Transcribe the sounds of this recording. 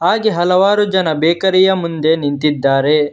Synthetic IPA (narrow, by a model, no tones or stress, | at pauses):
ɦaːɡeɦɐlɐʋaːɾud͡ʒɐnɐbɛːkɐɾɛjɐmund̪e̞nint̪id̪ːaːɾe